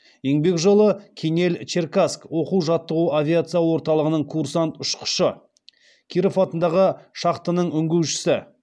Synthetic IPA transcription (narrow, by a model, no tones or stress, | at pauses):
jeŋbe̞kʒo̞lˠəkʲʰene̞lt͡ʃerkaskwo̞quwʒɑt̪ːəʁuavʲiat̪sɨjawo̞ɾt̪ɑlˠəʁənəɴkʰuɾsant̪ʊʃqʰə̥ʃə | kʲʰiɾofɑt̪ənd̪ɑʁəʃɑqt̪ənəɴʏŋɡʲewʃɪ̥sɪ